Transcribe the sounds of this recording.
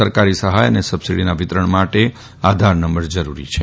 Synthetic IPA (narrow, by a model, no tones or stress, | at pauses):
əɾkaɾisəɦajənesəbsiɽinaʋɪt̪ɾəɳmaʈe | ad̪ʱaɾnəmbəɭd͡ʒəɾuɾḭt͡ʃʰe